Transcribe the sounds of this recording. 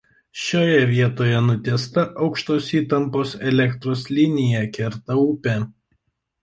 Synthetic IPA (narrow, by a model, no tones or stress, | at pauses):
ʃʲoːjɛʋʲiɛt̪oːjɛnʊt̪ʲɛst̪ɐʔɒʊkʃt̪oːsiːt̪ɐmpoːsɛlʲɛkt̪ɾoːslʲɪnʲɪjɛkʲɪɾt̪ɐʊːpʲe